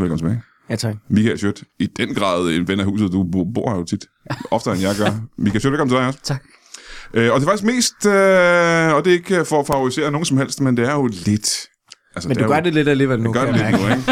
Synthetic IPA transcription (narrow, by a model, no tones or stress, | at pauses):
ʋelkɒ̽m̩t͡sʰebæ | mikʰælɕød̥id̥enɡ̥ʁɑ̰̈ːðˠe̝nʋenæhṵːs̬ð̩ˠd̥ub̥o̝ɐ̰hɑjo̝t͡sʰid̥ | ɒ̽fd̥əæɐenjæɡ̥ɐmikʰælsød̥ekɒ̽m̩t͡sʰe̥dɑ̈ɪɒ̽sʰ | ʔøɒd̥e̝ɐfɑɡ̥isɡme̝̰ːsd̥ø | ɒ̽d̥e̝e̝ɡ̥əfɒɒfɑ̈ʊʁise̝̰ːɐno̝ːn̩sɒ̽mhel̰sd̥mend̥e̝æɐjo̝le̝d̥ | ʔælsəd̥duɡɶɐd̥eled̥æleʋnɡɶɐdeled̥nueɡ̥